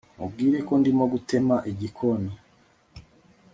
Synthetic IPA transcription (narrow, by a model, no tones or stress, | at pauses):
mṵb̚ɡiːɾe̞ko̞ndimoɡute̞maʔiɟikʰoni